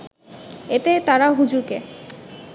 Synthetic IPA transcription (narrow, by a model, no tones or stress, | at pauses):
et̪et̪aɾaɦud͡ʑuɾke